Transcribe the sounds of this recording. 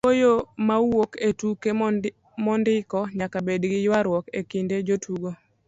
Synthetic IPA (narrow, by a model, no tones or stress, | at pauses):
fojomawwoketuke | mɔndɪkɔɲakabedɡɪjwaɾwɔkekinded͡ʒotuɡo